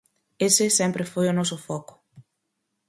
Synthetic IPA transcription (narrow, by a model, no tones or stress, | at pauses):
esɪsẽmpɾɪfojʊnɔsʊfɔkʊ̥